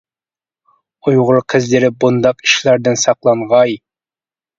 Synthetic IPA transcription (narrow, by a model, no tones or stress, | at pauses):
ujʁʊɾqʰɨzlɪɾɪbund̪ɑqi̥ʃlæɾd̪ɪnsɑqlˠɑɴʁɑj